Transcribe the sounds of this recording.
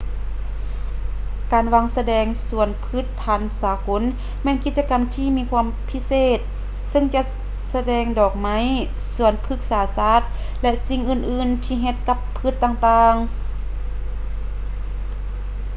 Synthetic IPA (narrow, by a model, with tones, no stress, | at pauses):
kaː˨˩nʋaː˧ŋsa˧dɛː˧˩ŋsu˧˩ənpʰɯ˧˥˩t̪̚pʰa˧˩nsaː˨˧˦ko˧˦˥n | mɛː˧˥˨nki˧t̪̚t͡ɕa˧ka˨mt̪ʰiː˧miː˧kʰwaː˧əmpʰi˧˥seː˧˩t̪̚ | sɤ˧˨ŋt͡ɕa˧ʔ | sa˧dɛː˧˩ŋdɔː˨˩k̚ma˧˥˨j | su˧˩ənpʰɯ˧˥k̚saː˨˦saː˧˥˩t̪̚ | lɛ˧˥ʔsi˧ŋʔɯː˧˩nʔɯː˧˩nt̪ʰiː˧ɦe˧t̪̚ka˧˥pʰːɯ˧˩t̪ːaː˧ŋt̪aː˧ŋ